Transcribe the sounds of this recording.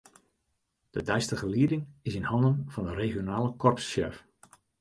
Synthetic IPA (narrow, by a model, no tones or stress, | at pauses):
d̥ədɛjstəɣəliədɪŋɪsɪnhɑndənv̥ɑndəreːχjonaːləkʰɔrpsːɛ̰f